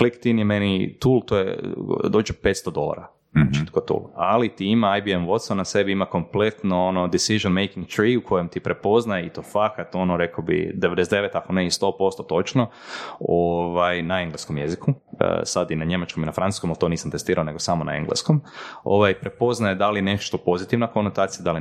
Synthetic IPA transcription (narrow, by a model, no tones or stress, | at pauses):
flikt̪injemenit̪uːlˠt̪oːjḛd̪o̞ːd͡ʒepet̪st̪od̪o̞̰lˠa̰ɾa | naat͡ʃit̪kot̪ṵlˠalit̪iimaajbiemʋo̞t̪st̪onase̞biimako̞mple̞t̪noonod̪isiʒonmejkiŋɡt̪ɾiukʰo̞jemt̪ipɾepo̞znajeit̪ofakat̪o̞noɾe̞kobḭd̪eʋed̪esetd̪eʋet̪akoneist̪o̞po̞st̪ot̪o̞t͡ʃno | oʋajnaeŋɡleskomjezikʰuə̰sad̪inaɲe̞mat͡ʃkominafɾanu̥skomalt̪o̞niːsamt̪est̪iːɾaone̞ɡosamona̰ḛŋɡlḛskomo̰ʋajpɾepo̞znajed̪alieneʃt̪opo̞zit̪iʋnakonot̪aːt̪sijad̪ali